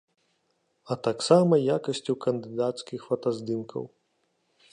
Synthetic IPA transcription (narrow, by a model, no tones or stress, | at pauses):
ɐt̪aksamɐjakɐsʲt͡sʲukɐnd̪ɨd̪at̪skʲixfɐt̪ɐzd̪ɨmkʰɐ̰w